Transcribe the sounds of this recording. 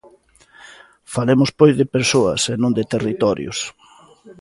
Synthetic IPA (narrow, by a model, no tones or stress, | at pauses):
falemʊspojzðɪpeɾsoɐ̰senõŋd̪ɪt̪erit̪ɔɾjʊ̰s